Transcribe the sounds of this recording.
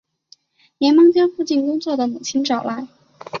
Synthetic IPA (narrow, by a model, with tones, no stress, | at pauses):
njɛ˧˥nmɤ˥ŋt͡ɕjɑ˥ŋfu˥˧t͡ɕi˥˩nkʊ˥ŋt͡swɔ˥˩d̪ə˩mu˨˩t͡ɕʰi˥ŋʈ͡ʂɑ˨˩ʊla˧˥ɪ